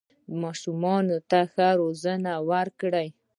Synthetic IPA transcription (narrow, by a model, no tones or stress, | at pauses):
mɑʃumɑnot̪axaɾozənawaɾkɽaj